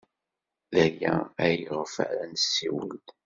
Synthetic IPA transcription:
ðæjææjəʁfə̰ʕɾænsːiwəld̪

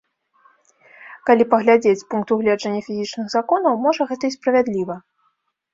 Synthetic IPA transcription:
kalʲipɐɣlʲad͡zʲet͡sʲpunk̚t̪uɣlʲɛd͡ʐɐnʲːɐfʲizʲit͡ʂnɨɣzakɔnɐwmɔʐɐɣɛt̪ɐispɾɐvʲad̪lʲivɐ

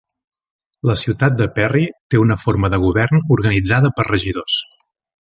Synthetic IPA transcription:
ləsiwt̪at̪̚d̪əpɛrit̪eunəfoɾməðəɣ̞uβɛrnuɾɣənid͡zaðəpərrəʒiðos

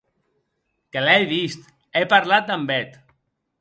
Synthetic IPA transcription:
kelɛjβist̪ | epaɾlat̪̚d̪ambɛt̪

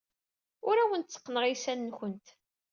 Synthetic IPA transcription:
ʊɾæwənt̪t͡sːə̥qːnəɾisænːçənt̪

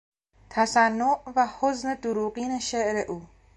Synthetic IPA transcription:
t̪ʰasanːoʔvahozned̪uɾuːqiːneʃeʔɾeʔuː

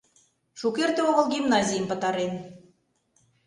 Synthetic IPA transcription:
ʃukert̪eoʁə̆lˠɡʲimnɑzʲijmpə̆t̪ɑɾen

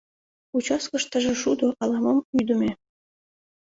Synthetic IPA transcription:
ut͡ɕɑskɤʃt̪ə̆ʒĕʃud̪oʔɑlɑmɑmyjd̪ə̆mʲe

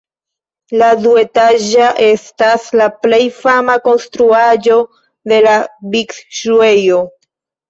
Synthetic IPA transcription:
ladue̞taʒaʔe̞staslaple̞jfamako̞nstɾuaʒo̞ | de̞labiksʃuejo̞

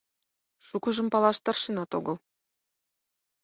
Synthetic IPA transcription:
ʃukɤ̆ʒɤ̆mpɑlˠɑʃt̪ɤ̆rʃinɑt̪oɡɤ̆lˠ

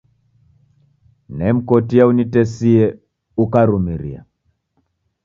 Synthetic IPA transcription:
nɛm̩kɔtiaunitɛsiɛ | ukaɾumiɾḭa̰

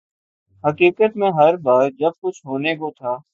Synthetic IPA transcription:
ɦəkiːkət̪mẽɦɐɾbaːɾd͡ʒɐb̚kʊt͡ʃʰɦoːnekot̪ʰaː

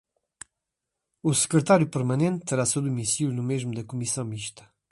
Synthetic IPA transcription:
usə̥kɾət̪aɾjupəɾmɐnẽnt̪səɾasod̪umisilnumeʒmud̪ɐkumisãmiʃt̪ɐ̥

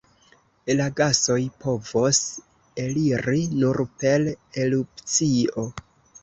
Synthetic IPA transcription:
laɡaso̞jpʰo̞vos | eliɾinuɾpe̞lelup̚t͡sio̞

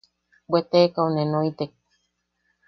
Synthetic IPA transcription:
bwet̪ekaonenoit̪ek̚

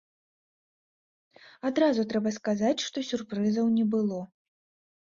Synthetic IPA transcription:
ad̪ɾazut̪ɾɛbɐskazat͡sʲʂt̪ɔsʲurpɾɨzɐwnʲɛbɨlˠɔ

